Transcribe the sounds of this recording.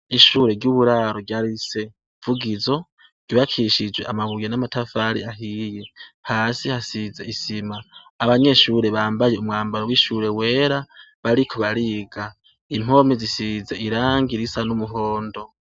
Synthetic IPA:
iʃuɾe̞ɾɟuβuɾaɾoɟaɾise̞ | v̥uɡizo̞ | ɟ̥oβakʰiʃid͡ʒwe̞̰ʔamaβujenamatafaɾḭaɦije̞haːsihasize̞isimaː | βaɲe̞ʃuɾe̞βaːmbajeumŋaːmbaɾowiʃuɾe̞we̞ːɾa | βaɾikʰoβaɾiɡa | im̥o̞mizisize̞iɾaːŋɡiɾisanumuɦo̞ːndo̞

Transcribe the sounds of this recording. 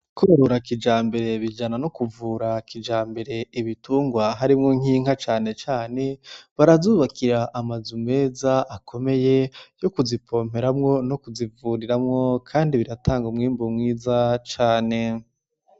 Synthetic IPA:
kʰoɾoɾakid͡ʒaːmbe̞ɾe̞βid͡ʒananokuvuːɾakʰid͡ʒaːmbe̞ɾe̞iβituːŋɡwaɦaɾimŋoŋ̥iːŋ̥hat͡ʃaːne̞t͡ʃaːne̞βaɾazuːβakʰiɾaʔːmazume̞ːzaakʰo̞me̞je̞jo̞kuzipʰo̞ːm̥e̞ɾamŋo̞nokuzivuɾiɾamŋo̞kʰaːndiβiɾataːŋɡomŋiːmbomŋiːzat͡ʃaːne̞

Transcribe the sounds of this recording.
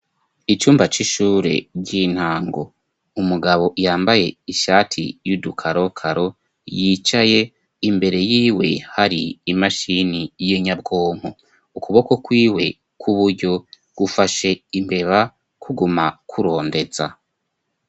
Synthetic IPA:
it͡ʃuːmbat͡ʃiʃuːɾe̞̰ɟin̥haːŋɡo̞̰ | umuɡaβo̞ʔjaːmbaje̞iʃaːtʰḭjudukʰaɾo̞kʰaɾo | jit͡ʃaje̞ | imbe̞ɾe̞jiːwe̞haɾiːmaʃinijiɲab̚ɡo̞ːŋ̥ho | ukuβo̞ko̞kwiːwe̞ | kʰuβuɾɟo̞ | ɡ̥ufaʃe̞imbe̞βa | kʰuɡumakʰuɾo̞ːnde̞za̰

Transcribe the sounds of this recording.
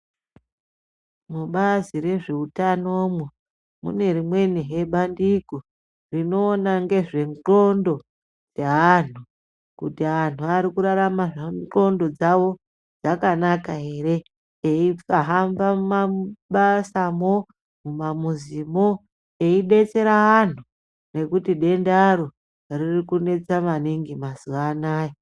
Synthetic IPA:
muɓazire̞ʐe̞utano̞mwe | mṵne̞rimwe̞niɦe̞ɓandiko | rino̞ːnaŋɡe̞ʐe̞ŋɡo̞ndo̞ | d͡zean̤u | kutian̤uaɾikuɾaɾamaʐao̞ndo̞d͡zawo̞ | d͡zakanakaɦe̞ɾe̞ | eifaɦambammaɓasamo | mumamuzimo | e̞iɗe̞t͡se̞ɾaan̤u | ne̞kutiɗe̞ndaɾo | ririkune̞t͡samaniŋɡimasuʋanaːji

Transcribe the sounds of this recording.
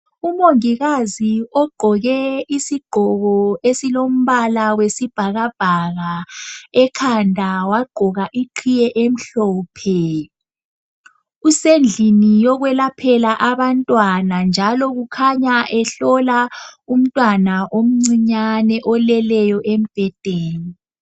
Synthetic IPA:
umoŋiɣaziɔɡ͡ǃʱɔɣɛisiɡ͡ǃʱɔɣɔesilom̩βalawesib̥ʱaɣab̥ʱaɣaɛkʰandʱawaɡ͡ǃʱɔɣaʔiǃʰijɛʔem̩ɬɔːpʰɛ | usend͡ɮʱinijɔɣwɛlapʰɛlaʔaβantʼwanand͡ʒʱalɔɣukʰaɲaʔɛɬɔlaum̩tʼwanaʔom̩ŋ͡ǀiɲanɛʔɔlɛlɛjɔʔem̩b̥ʱɛd̥ʱeːni

